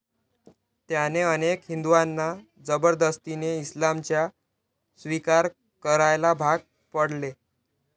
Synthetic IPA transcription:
t̪janeənekɦind̪uʋanːa | d͡zəbəɾd̪əst̪ineislamt͡ɕja | sʋikaɾ | kəɾajlabʱaɡ̚ | pəɽle

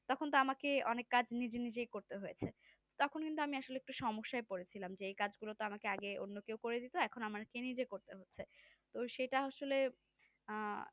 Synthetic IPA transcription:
t̪ɔkʰont̪̬oamakeɔnekːad͡ʑʱnid͡ʑenid͡ʑejkoɾt̪eɦojet͡ɕʰe | t̪ɔkʰonkint̪̬uamiaʃoleek̚ʈuʃɔmoʃːaepoɾet͡ɕʰilamd͡ʑeejkad͡ʑɡulot̪oamakeaɡeo̰nːokewkoɾed̪it̪oɛkʰonamaɾkenid͡ʑekoɾt̪eɦotːɕʰe | t̪oʃejʈaaʃole

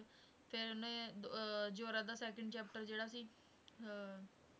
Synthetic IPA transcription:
pʰɪɾnẽː | d͡ʒoːɾãːd̪aːsɛːkəɳɖt͡ʃɛːp̚ʈəɾd͡ʒeːɽaːsiː

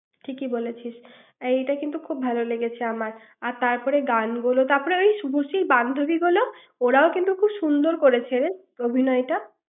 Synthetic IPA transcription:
ʈʰikibolet͡ɕʰiʃ | ejʈakint̪ukʰubbʱaloleɡet͡ɕʰeamaɾ | aɾt̪aɾpɔɾeɡanɡulot̪aɾpɔɾeojʃubʱoʃiɾband̪ʱobiɡulo | oɾaokint̪ukʰubʃund̪oɾkoɾet͡ɕʰeɾe | obʱinɔeʈa

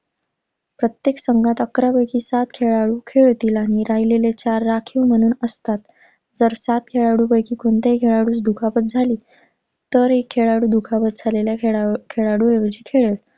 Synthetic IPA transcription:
pɾət̪jeksəŋɡʱat̪əkɾapəjkʰiːsat̪kʰeɭaɽuːkʰeɭt̪iːlaɽ̃iɾaɦilelet͡ɕaɾːakʰiwm̤əñuːnəst̪at̪ | d͡zəɾsat̪kʰeɭaɽuːpəjkʰiːkoɳt̪ekʰeɭaɽuːt͡sd̪ukʰapət̪̚d͡zʱaliː | t̪əɾekʰːeɭaɽuːd̪ukʰapət̪̚d͡zʱaleljakʰeɭaɽuːeʋəd͡ʑiːkʰeɭel

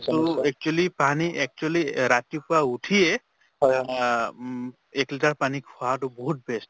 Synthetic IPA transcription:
toɛk̚t͡ʃuɛlipaniʔɛk̚t͡ʃuɛliɾat̪ipʊauʈʰie | ekliʈaɹpanikhatoboɦut̚best

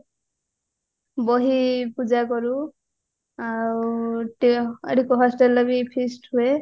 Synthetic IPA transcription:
bɔɦipud͡ʒakɔɾu | awʈḛʈikɔɦɔsʈelːɔbipʰisʈhue

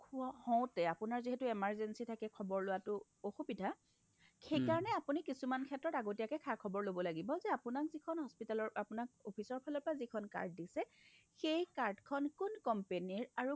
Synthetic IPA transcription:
kʰʊɔhɔ̃w̃tɛapʊnaɹziɦɛtʊɛmaɹzɛnsitʰakɛkʰɔbɔɹlʊwatʊ | oxubidʱa | xejkaɹɔnɛapunikisumankʰɛtɹɔtaɡotijakɛkʰakʰɔbɔɹlobɔlaɡibɔzɛapʊnakzikʰɔnhɔspitalɔɹapʊnak̚opʰisɔɹpʰalɔpɹazikʰɔnka̰ɹd̚disɛxejkaɹdkʰɔnkʊnkɔmpeniɹaɹu

